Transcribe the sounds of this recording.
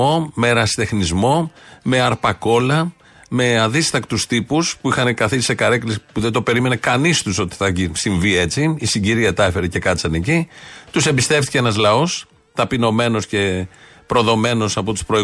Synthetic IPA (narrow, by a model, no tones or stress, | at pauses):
o̞me̞ɾɐsi̥t̪e̞xnizmo̞me̞ɐɾpɐko̞lɐ | me̞ɐðist̪ɐkt̪ust̪ipuspuixɐnekɐθisse̞kɐɾeklisipuðed̪o̞pe̞ɾime̞ne̞kɐnist̪uso̞t̪i̥θɐisiɱvie̞t͡siːsiɲɟiɾiɐt̪ɐfe̞ɾece̞kɐt͡sɐnecit̪use̞mbist̪e̞ft̪ice̞enɐzlɐo̞s | t̪ɐpino̞me̞no̞sce̞ | pɾo̞ðo̞me̞no̞sɐpo̞t̪u̥spɾo̞i